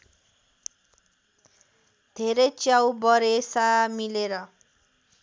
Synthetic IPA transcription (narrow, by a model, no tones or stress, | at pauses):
d̪ʱeɾʌjt͡sjawbʌɾesamileɾʌ